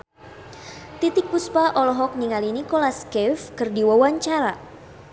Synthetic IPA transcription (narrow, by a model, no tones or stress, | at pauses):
t̪it̪ɪk̚puspaʔɔlɔɦɔk̚ɲiŋalinikolaskɛfkɨrdiwawaɲt͡ʃaɾa